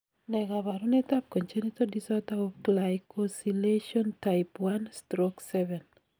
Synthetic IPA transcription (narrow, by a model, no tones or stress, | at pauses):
nɛɡaβaɾunɛt̪ap̚koɲt͡ʃenit̪odisɔt̪aɔklajkɔsileʃɔntaɪpwanstɾɔksɛvɛn